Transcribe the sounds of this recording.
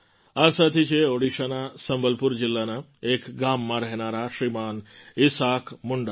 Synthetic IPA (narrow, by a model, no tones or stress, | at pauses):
asat̪ʰit͡ʃʰeoɽiʃanasəmbəlpuɾd͡ʒɪlːana | ekɡamːãɾəɦnaɾaʃɾimanɪsakmʊɳɖa